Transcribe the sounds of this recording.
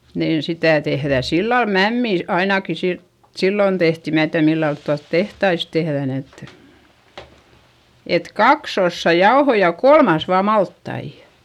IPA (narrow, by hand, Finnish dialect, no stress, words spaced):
niːn sitæ tehðæ silːɑl mæmːiˑ ɑinɑki si silːon tehti mæː tiæð milːɑlt tuɑlt tehtɑis tehðæn et et kɑks osːɑ jɑohoi jɑ kolmɑs ʋɑː mɑltːɑijɑ̥